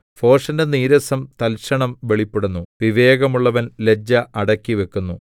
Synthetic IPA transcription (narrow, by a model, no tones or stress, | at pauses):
fo̞ːʂɐndeniːɾɐsɐmt̪ɐlɕɐɳɐmʋe̞ɭipːeɽunːuʋiʋe̞ːɣɐmuɭːɐʋɐnle̞d͡ʑːɐʔɐɽɐkːiʋe̞kːunːu